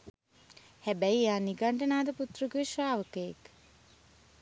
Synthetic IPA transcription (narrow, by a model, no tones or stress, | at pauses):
hæbæjjaːniɡaɳʈənaːd̪əput̪rəɡiʃʋaːʋəkəjek